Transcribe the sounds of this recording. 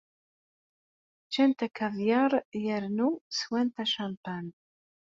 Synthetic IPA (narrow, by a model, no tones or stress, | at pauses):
t͡ʃːænt̪ækːævjaɾˤjəɾnuswænt̪æʃampan